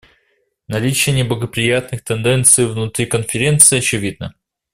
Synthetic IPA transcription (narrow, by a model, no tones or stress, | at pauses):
nɐlʲit͡ɕɪjənʲɪblˠəɡəpɾʲɪjat̪nɨxt̪ɛnd̪ɛnt̪sɨjvnʊt̪ɾʲikənfʲɪɾʲe̞nt̪sɨːɐt͡ɕɪvʲid̪̚nə